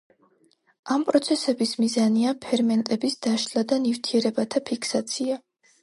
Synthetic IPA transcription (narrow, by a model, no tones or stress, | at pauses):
ampʼɾɔt̪sʰɛsɛbismizaniapʰɛɾmɛnt̪ʼɛbisd̪̥aʃlad̪anivt̪ʰiɛɾɛbat̪ʰapʰikʰsat̪sʰia